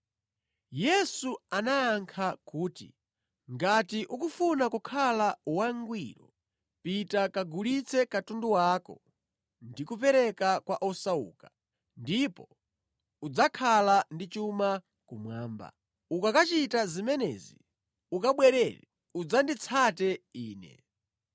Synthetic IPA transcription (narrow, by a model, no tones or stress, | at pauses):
jɛsuanaːŋkʰakuːtḭ | ŋɡatiʔukufunakukʰalauwaŋɡwiːɾɔ | pitakaɡulit͡sʰɛkatunduwaːkɔ̰ | ndikupɛɾɛkakwaʔɔsaṵːkḁ | ndipɔ | ud͡zakʰalandit͡ʃuma | kumwaːmba̰ | ukakat͡ʃitazimɛnɛ̰ːzi | ukaɓwɛɾɛɾɛ | ud͡zandit͡sʰatɛiːnɛ̰